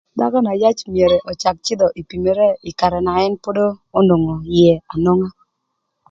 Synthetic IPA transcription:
da˦ɡɔ˦na˨ja˦t͡ʃmje˨ɾe˨ʔɔ˨t͡ʃa˨k̚t͡ʃɪ˦d̪ɔ˨ʔi˨pi˨me˨ɾe˦ɪ˨ka˨ɾɛ˨na˨ɛ˦npo˦doː˦no˨ŋɔ˨jɛ˨a˨no˦ŋa˦

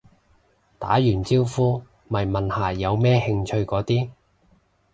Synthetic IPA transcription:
t̪a̰ː˨˥jyː˨˩nt͡siː˥wfuː˥ | mɐ˨˩jmɐ˨˩nhaː˨˩jɐ˨˧wmɛː˥hɪ˧ŋt͡ʃʰɵ˧ɥkɔː˨˥t̪iː˥

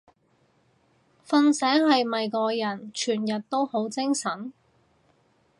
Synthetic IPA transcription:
fɐ˧nsɛː˨˥whɐ˨jmɐ˨jkɔː˧jɐ˨˩nt͡ʃʰyː˨˩njɐ˨t̚t̪o˥who˨˥wt͡sɪ˥ŋsɐ˨˥n

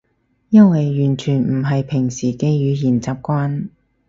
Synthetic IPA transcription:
jɐ˥wɐ˨jːyː˨˩nt͡ʃʰyː˨˩nm̩˨˩ɦɐ˨jpʰɪ˨˩ŋsiː˨˩ke˧jyː˨˧jiː˨˩nt͡saː˨p̚kʷaː˥n

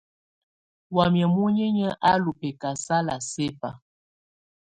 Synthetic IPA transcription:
wa˨mjə˨mu˦ɲə˦ɲə˦ʔa˦lu˨pe˨ka˨sa˦la˨se˦pa˨

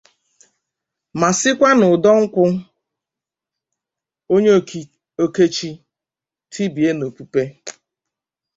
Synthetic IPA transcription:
ma˨sɪ˦kʷa˦nʊ˨dɔ˦ŋ̩˦kʷʊ˦ | o˦ɲe˦˨ | o˦ke˦t͡ʃi˦ | tʰi˦bi˨e˦no˨pu˦pe˦

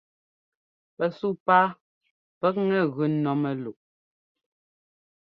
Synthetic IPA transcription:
pɛ˨su˦paː˦ | pɛ˦k̚ŋɛ˦˨ɣʉ˨nɔ˨˦mɛ˨lu˨ʔ̚

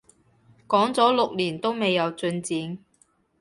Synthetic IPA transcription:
kɔː˨˥ŋt͡sɔː˨˥lʊ˨k̚liː˨˩nt̪o˥wme˨˧jːɐ˨˧wt͡sɵ˧nt͡siː˨˧n

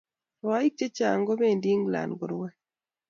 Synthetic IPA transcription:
ɾwa˨˦i˦k̚t͡ʃe˦t͡ʃa˨ŋɡo˦be˦˨ndi˦ŋɡla̰˨nɡʊ˨ɾwɛ˦

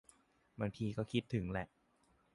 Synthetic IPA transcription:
baː˧ŋt̪ʰiː˧kɔː˥˩kʰi˦˥t̪ʰːɯ˩˦ŋlɛ˨˩ʔ

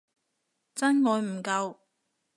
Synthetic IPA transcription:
t͡sɐ˥nŋɔː˨˧jm̩˨˩kɐ˧w

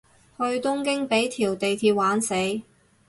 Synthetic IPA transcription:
hɵ˧ɥt̪ʊ˥ŋkɪ˥ŋpe˨˥jt̪ʰiː˨˩wt̪e˨jt̪ʰiː˧p̚waː˨˥nse˨˥j

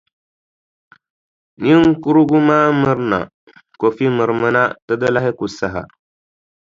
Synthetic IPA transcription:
ni˦ŋ˦ku˦ɾu˦ɡu˦maː˦mɨ˦ɾna̰˨ | ko˨fi˦mɨ˨ɾɨ˨mɨ˦na˦tɨ˦dɨ˦la˦ɦɪ˦ku˨sa˨ɦa̰˨

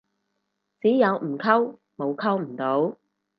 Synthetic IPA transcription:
t͡siː˨˥jɐ˨˧wm̩˨˩kʰɐ˥w | mo˨˧wkʰɐ˥wm̩˨˩t̪o˨˥w

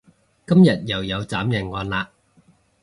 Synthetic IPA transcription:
kɐ˥mjɐ˨t̚jɐ˨˩wjɐ˨˧wt͡saː˨˥mjɐ˨˩nŋɔː˨˧nlaː˧

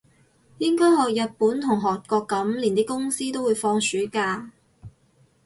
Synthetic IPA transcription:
jɪ˥ŋkɔː˥jhɔː˨k̚jɐ˨t̚puː˨˥nt̪ʰʊ˨˩ŋɦɔː˨k̚kɔː˧kːɐ˨˥mliː˨˩nt̪iː˥kʊ˥ŋsiː˥t̪o˥wu˨˧jfɔː˧ŋsyː˨˥kaː˧

